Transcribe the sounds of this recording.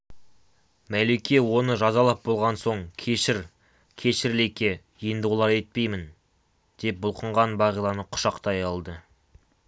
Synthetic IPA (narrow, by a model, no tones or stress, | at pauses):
mæle̞kʲe̞wo̞nəʒɑzɑlˠɑp̚bo̞lˠʁɑnso̞ɴkʲʰe̞ʃɪɾ | kʲʰe̞ʃɪɾle̞kʲe̞ | ijənd̪əwlˠɑɾe̞t̪̚pe̞jmɪn | d̪̥e̞p̚bʊlˠqəɴʁɑnbɑʁijlˠɑnəqʰʊ̥ʃɑqt̪ɑjɑlˠd̪ə